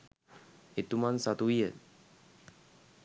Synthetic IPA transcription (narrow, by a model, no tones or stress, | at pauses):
it̪umansat̪uiə